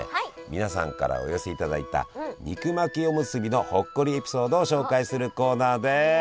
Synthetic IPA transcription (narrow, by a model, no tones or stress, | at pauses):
mʲinasã̰ŋka̰ɾa̰o̰jo̞se̞it̪ad̪ait̪a̰ɲ̟ʲikɯ̟makʲio̞mɯ̟sɨbʲino̞ho̞kːo̞ɾʲie̞pʲi̥so̞ːd̪o̞ːɕo̞ːkaisɨɾɯ̟ko̞ːnaːd̪e̞